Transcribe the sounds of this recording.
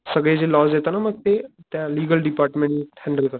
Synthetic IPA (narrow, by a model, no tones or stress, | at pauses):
səɡɭed͡ʒelɔːzet̪anaməkt̪et̪jãliːɡəlɖipaːɾʈmẽɳhɛ̃ɳɖəlkəɾ